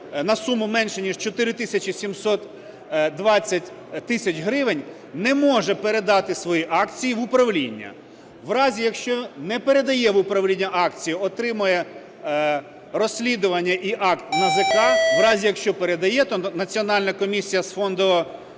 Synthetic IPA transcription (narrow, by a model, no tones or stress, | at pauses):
nɐsumʊmɛnʃɛnʲiʒt͡ʃɔt̪ɪɾɪt̪ɪsʲɐt͡ʃʲisʲimsɔt̪ | d̪ʋɑt͡sʲːɐtʲ | t̪ɪsʲɐt͡ʃɦɾɪʋɪnʲ | nɛmɔʒɛpeɾe̞d̪ɑt̪ɪsʋɔjiʔɑkt͡sʲijiʋʊpɾɐʋlʲinʲːɐ̰ | ʋɾɑzʲijɐkʃt͡ʃɔnɛpeɾe̞d̪ɐjɛʋʊpɾɐʋlʲinʲːɐʔɑkt͡sʲijiɔt̪ɾɪmʊjɛ | rɔsʲlʲid̪ʊʋɐnʲːɐʔiʔɑkt̪nɐzɪkɑʋɾɑzʲijɐkʃt͡ʃɔpeɾed̪ɐjɛt̪ɔnɐt͡sʲiɔnɑlʲnɐkɔmʲisʲijɐsfɔnd̪ɔɔ